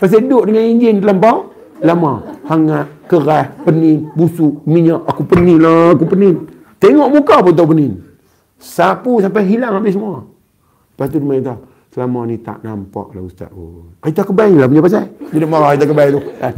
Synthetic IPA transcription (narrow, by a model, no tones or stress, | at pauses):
pas̬adʊʔdəŋaniɲd͡ʒɪnt̪əlampaw | lamahaŋaʔ̚kəɾahpənɪnbusuʔmiɲaʔakupəninlaːkupənɪn | t̪eŋɔʔmukapunt̪̬awpənɪn | sapusampajɦilaŋabɪʔs̬əmua | əpast̪̬udumaɲt̪a | səlamanit̪a̰ʔna̰mpa̰ʔla̰hust̪a̰t̪̚o̰nait̪akəbailapuɲapas̬ad͡ʒinaʔmaɾaait̪ak̬əbajt̪ua